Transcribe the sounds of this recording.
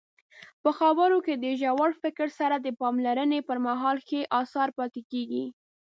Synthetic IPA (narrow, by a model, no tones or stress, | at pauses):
pəxabəɾoked̪əʒawaɽfɪkɾsaɾad̪əpɑmlaɾənepəɾmaɦɑlxeʔɑsɑɾpɑt̪ekeɡi